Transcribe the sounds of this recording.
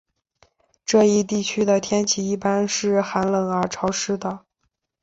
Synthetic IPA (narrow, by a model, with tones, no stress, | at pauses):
ʈ͡ʂɤ˥˧i˥˧t̪i˥˩t͡ɕʰy˥d̪ə˨t̪ʰjɛ˥nt͡ɕʰi˧˥i˥˩pa˥nʂɻ̩˥˩xa˧˥nlə˨˩ŋə˞˧˥ʈ͡ʂʰɑ˧˥ʊʂɻ̩˥d̪ə˨